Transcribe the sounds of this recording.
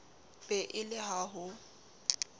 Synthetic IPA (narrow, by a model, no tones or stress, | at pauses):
pʼɛʔɪlɪɦaɦʊ